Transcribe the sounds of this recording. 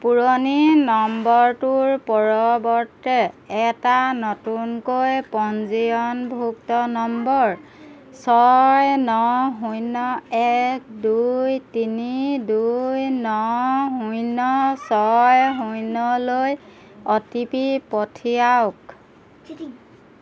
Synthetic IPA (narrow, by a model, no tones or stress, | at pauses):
puɹoninɔmbɔɹtuɹpɔɹɔbɔɹtɛɛtanɔtunkojpɔnziɔnbʱuk̚tɔnɔmbɔɹ | sɔjnɔɦujnɔɛk̚ʰdujtinidujnɔɦujnɔsɔjɦujnɔloj | ɔtipipɔtʰiawk